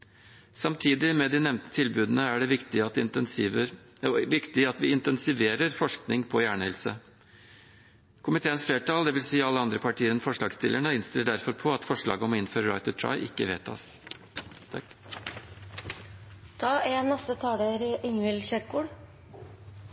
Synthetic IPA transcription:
sɑmt̪ʰiːd̪ɪmɛd̪inɛʋnt̪ə̥t̪ʰɪlbʉːd̪nəæɖɛʋɪkt̪ɪɑt̪ː | ʋɪkt̪ɪɑt̪ʋɪɪnt̪ɛnsɪʋeːɾəɾfɔʂknɪŋpʰɔjæːɳəɛlsə̰ | kʰʊmɪt̪ʰeːənsfleːʈɑːld̪ɛʋɪlsiːɑlːəɑnd̪ɾəpʰɑʈʰiːəɾɛnfɔʂɭɑːɡst̪ɪ̰lːəɳəɪnst̪ɪlːəɖæɾfɔɾpʰɔɑt̪fɔʂɭɑ̰ːɡəɔmɔɪnføːɾəɾɑ̰ɪt̪ət̪ʰɹɑ̰ɪʔɪ̰kːəʋḛːt̪ʰɑ̰sʰ | t̪ʰɑːeːnːɛst̪ət̪ʰɑːd̪eɾɪʔɪŋʉɪlçɛɾkuːɽ

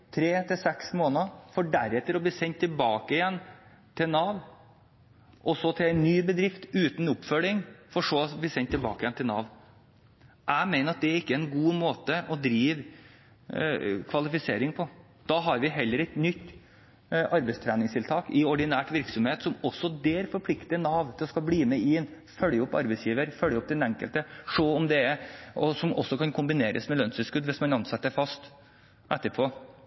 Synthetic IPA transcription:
t̪ʰɾeːt̪ʰɪlsɛksmoːnɑfɔɖæɾɛt̪ːəɾɔbliːsɛnt̪ʰːɪlbɑːkəɪjɛnː | t̪ʰɪlnɑːʋ | ʔɔsɔt̪ʰɪlæɪnːyːbəd̪ɾɪft̪ʉːt̪n̩ʊpfœlɪŋfɔʂobliːsɛnt̪ʰːɪlbɑ̰ːkəɪɛnt̪ʰɪlnɑ̰ːʋ | ʔæɪmæɪnəɾɑt̪̚d̪ɛæɾɪkːəɛɪnɡuːmoːt̪əɔd̪ɾiːʋ | kʰʋɑlɪfɪseːɾɪŋpʰɔ | d̪̥ɑɦɑɾʋɪɦɛlːəɾɛt̪nʏt̪ː | ʔɑɾbɛɪst̪ʰɾæːnɪŋst̪ʰɪlt̪ʰɑːkɪɔɖɪnæːʈʋɪɾksɔmheːt̪sɔmɔsːɔd̪eːɾfɔɾpʰlɪkt̪ɪənɑːʋt̪ʰɪlɔskɑbliːmɛɪn | fœlːjəɔpːɑ̰ɾbɛɪsjiːʋəɾfœljəɔp̚d̪ɛnɛŋkəlt̪əʂoːɔmd̪ɛɔsɔmʔɔsːɔkʰɑnkʰʊmbɪneːɾʔə̰smɛlœnsəskʉd̪ʋɪsmɑnɑnsɛt̪ːəɾfɑst̪ | ʔɛt̪ːəɾpʰoː

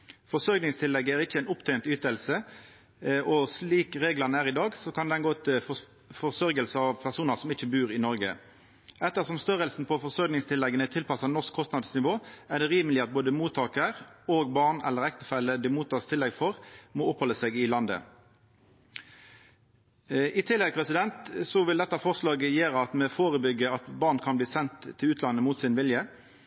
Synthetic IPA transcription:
fɔsɔɾɡnɪŋst̪ʰɪlːɛɡːəæʁɪçəɛɪnʊpt̪ʰɛɪnt̪yːt̪əlsə | ʔɔsliːkʁeːɡləʁnəæːʁɪd̪ɑːɡsɔkɑnd̪ɛnɡoːt̪ʰɪ | fɔʁsœɾɡəlsəɑʋpʰæʁsuːnəʁsɔmɪçəbʉːʁɪnɔɾɡə̰ | ʔɛt̪ːəʁsɔmst̪œɾəlsn̩pʰɔfɔʁsœɾɡnɪŋst̪ʰɪlːɛɡənət̪ʰɪlpɑsɑnɔskʰːɔst̪nɑd̪snɪʋoːæd̪ɛʁiːməlɪɑt̪̚boːd̪əmuːt̪ʰɑːkəɾoːɡbɑʁnɛ̰lːəɾɛkt̪əfɛləd̪ɪmuːt̪ʰːɑːst̪ʰɪlːɛɡfɔʁmoːɔphɔlːəseːɡɪlɑnd̪ə̰ | ɪt̪ʰɪlːɛɡ̚pʰʁɛsɪd̪ɛnt̪sɔʋɪld̪ɛt̪ːɑfɔʁslɑːɡəjeːɾəɑt̪mɛfoːʁəbʏɡːəɑt̪bɑːʁnkʰɑnbliːsɛnt̪ʰːɪlʉːt̪lɑnːəmuːt̪sɪnʋɪljə

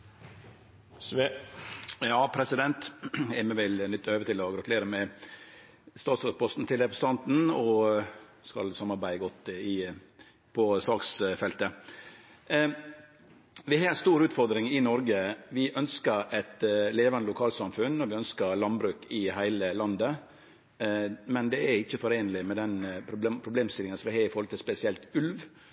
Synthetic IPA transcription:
jɑːpʰɾɛsɪd̪ɛnt̪ɛmɛʋɪlnʏt̪ːøːʋət̪ʰɪlɔɡɾɑt̪ʉleːɾəmɛ | st̪ɑːt̪sɾɑt̪̚pʰɔst̪n̩t̪ɪlɾɛpɾɛst̪ɑnt̪n̩ɔ | skɑ̰lsɑmːɑɾbæɪəɡɔt̪ːɪ | pʰɔsɑːksfɛlt̪ə | ʋɪhɑst̪uːɾʉːt̪fɔɾd̪ɾɪŋɪnɔɾɡəʋɪʔœnskəɾɛt̪leːʋɑnəlʊkʰɑːlsɑmfʉnɔʋɪœnskəɾlɑnbɾʉːkɪɦæɪləlɑnd̪ə | mɛnd̪ɛæɾɪçːəfɔɾeːnəlɪmɛd̪ɛnpʰɾʊbpʰɾʊbleːmst̪ɪlɪŋənsɔʋɪhɑːɪfɔɾlət̪əspɛsɪɛlt̪ʉlʋ

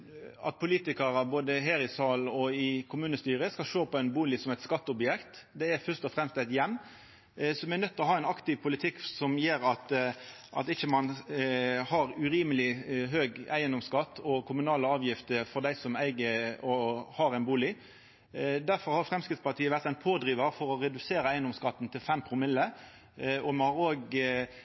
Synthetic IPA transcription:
ɑ̰t̪̚pʰʊliːt̪ɪkɑɾɑboːd̪əɦæːɾɪsɑːlɔɪkʰʊmʉːnəst̪yːʁəskɑlʃoːpɔɛɪnbuːlɪsɔmɛɪt̪skɑt̪ːɔbjɛkt̪d̪ɛæɾfœʁst̪ɔfɾɛmst̪ɛɪt̪jɛmː | sɔmænœt̪ʰːlɔɦɑːɛɪnɑkt̪ɪʋpʰʊlɪt̪ʰɪkːsɔmjeːɾɑt̪ | ʔɑt̪ɪçːəmɑn | hɑɾʉɾiːməlɪɦøːɡæɪənd̪ɔmskɑt̪ːɔkʰʊmʉnɑːləɑːʋjɪft̪əfɔɾd̪æɪsɔmæɪɡəɔhɑɾæɪnbuːlɪ | d̪æɾfɔɾhɑɾfɾɛmskɾɪt̪spɑʁt̪ʰiːəʋæɾt̪ɛɪnpʰoːd̪ɾiːʋəɾfɔɾɔɾɛd̪ʉseːɾəæɪnd̪ɔmskɑt̪ːn̩t̪ʰɪlfɛmpʰɾʊmɪlːə | ɔmɑnhɑɾoːɡ

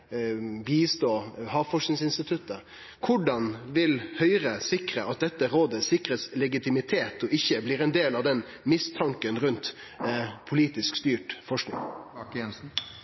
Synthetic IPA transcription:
biːst̪oːhɑːʋfɔʂnɪŋsɪnst̪ɪt̪ʰʉt̪ːə | kʰʊɖɑnʋɪlhœʏɾəsɪkɾəʔɑt̪̚d̪ɛt̪ːəɾoːd̪əsɪkɾəslɛɡɪt̪ɪmɪt̪ʰeːt̪ɔɪçːəbliːɾɛnd̪eːlɑʋd̪ɛn | mɪst̪ʰɑŋkənɾʉnt̪ | pʰʊliːt̪ɪskst̪yːʈfɔʂknɪ̰ŋɛns̩

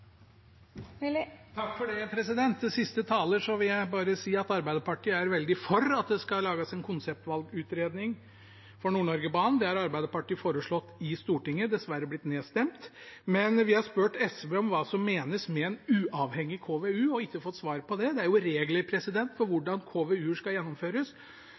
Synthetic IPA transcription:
t̪ʰɑkːfɔɖɛpʰɾɛsɪd̪ɛnt̪d̪ɛsɪst̪ət̪ʰɑːləʂɔʋɪljæɪbɑːɾəsiːɑt̪ɑɾbæɪd̪əpɑʈʰiːəæɾʋɛld̪ɪfɔɾɑt̪̚d̪ɛskɑlɑːɡəsɛnkʰʊnsɛp̚t̪ʋɑlɡʉːt̪ɾeːd̪nɪŋ | fɔɳuːɳɔɾɡəbɑːnnd̪ɛæɾɑɾbæɪd̪əpɑʈiːfoːɾəʂɭɔt̪ːɪst̪uːʈɪŋːəd̪ɛsʋæɾːəblɪt̪neːst̪ɛmt̪mɛnʋɪhɑspøːʈɛsbeɔmʋɑːsɔmːeːnəsmɛɛnʉːʔɑːʋhɛŋːɪkʰoːʋeʉːɔɪçːəfɔt̪ːsʋɑːɾpʰɔd̪ɛd̪ɛæɾjʊɾeːɡləɾpʰɾɛsɪd̪ɛnt̪fɔɾʋʊɖɑnkʰoːʋeʉːʂkɑljɛnːɔmføːɾəs

